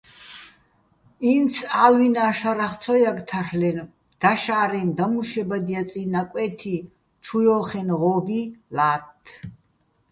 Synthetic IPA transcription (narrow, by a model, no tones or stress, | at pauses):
int̪sʰaːlwinaːʃaɾaχt̪t͡sʰɔjakt̪ʰarlɛn | d̪̥aʃaːɾɛnd̪amuʃɛbad̪ijat͡sʼinakʼɛt̪ʰi | t͡ʃʰujɔːχɛnʁɔːbilaːt̪ʰː